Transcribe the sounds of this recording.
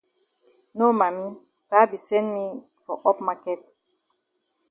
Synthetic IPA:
no˦ma˨mi˦ | pa˦bi˨sɛ̃˦nmi˦ | fɔ˨ʔɔ˦pma˦kɛ˨t̚

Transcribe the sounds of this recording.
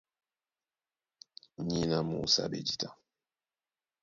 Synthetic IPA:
ɲi˦na˨mṵ˨sa̰˦ɓḛ˨d͡ʒi˦˨ta˦

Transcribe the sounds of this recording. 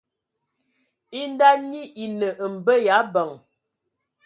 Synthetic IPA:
i˦n˦da˦ɲi˦ʔi˨nə˨ʔə˨m̩˨bə˦ja˨˦bə˨ŋ

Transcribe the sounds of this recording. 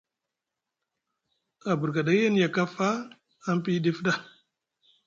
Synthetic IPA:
a˨bu˨ɾɡa˨da˦ja˦n˦ja˨ka˦faː˦ | m˦pi˦di˦fda˨

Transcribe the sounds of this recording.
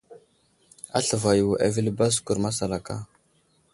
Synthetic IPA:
a̰˦ɬə˨va˨ju˨wa̰˨vi˦lba˦s̬ku˨ɾma˦sa˨la˨ka̰˦

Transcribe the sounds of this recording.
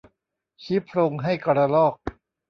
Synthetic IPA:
t͡ɕʰi˦˥pʰɾo˧ŋɦa˥˩jkɔ˧ɾa˧lɔː˥˩k̚

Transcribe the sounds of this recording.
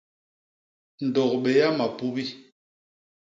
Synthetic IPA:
n̩˨dɔ˨kɓe˨ja˦ma˨pu˦bi˦

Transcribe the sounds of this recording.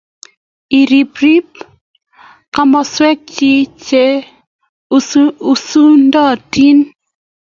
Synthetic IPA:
i˨ɾi˨pɾi˦p̚ | ka˦mɔ˦swɛ˦k̚t͡ʃi˦t͡ʃe˦ | u˨su˦ndɔ˦˨ti˦n

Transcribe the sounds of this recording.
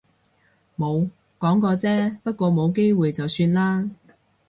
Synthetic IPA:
mo˨˧w | kɔː˨˥ŋkɔː˧t͡sɛː˥pɐ˥t̚kʷɔː˧mo˨˧wke˥jwuː˨jt͡sɐ˨wsyː˧nlaː˥

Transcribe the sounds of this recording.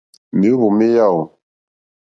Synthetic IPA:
mi˨˦βo˨me˦ja˦˨o˨

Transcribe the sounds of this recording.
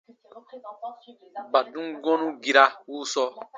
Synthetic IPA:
ba˨dũ˦ɡɔ̃˦nũ˦ɡi˨ɾa˦wu˦sɔ˦

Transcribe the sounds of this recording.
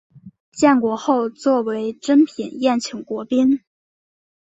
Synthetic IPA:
t͡ɕjɛ˥˩nkwɔ˧˥xo˥˧ʊt͡swɔ˥˩we˧˥ɪʈ͡ʂə˥npʰi˨˩˦njɛ˥˩nt͡ɕʰi˧˥ŋkwɔ˧˥pi˥n

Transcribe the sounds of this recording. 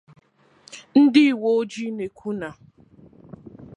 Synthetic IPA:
n̩˦dɪ˦˨wo˦o˦d͡ʒi˦ne˨kʷʰu˦na˨

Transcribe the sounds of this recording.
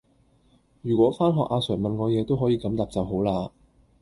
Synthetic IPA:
jyː˨˩kʷwɔː˨˥faː˥nɦɔː˨k̚ʔaː˧sœː˨˩ŋmɐ˨nkɔː˧jɛː˨˧t̪o˥wɦɔː˨˥jiː˨˧kɐ˨˥mt̪aː˨p̚t͡sɐ˨˧wɦo˨˥wlaː˧

